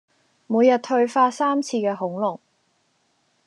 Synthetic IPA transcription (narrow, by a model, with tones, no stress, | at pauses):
muː˨˧jɐ˨t̚hɵ˧ɥfaː˧˥saː˥mt͡sʰiː˧kɛː˧ɦʊ˨˥ŋlʊ˨˩ŋ